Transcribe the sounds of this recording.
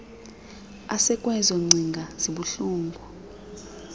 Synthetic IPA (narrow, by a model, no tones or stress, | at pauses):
a̰sɛkʼwɛzɔŋ͡ǀʱiŋɡʱaz̥iɓuɬuːŋɡʱu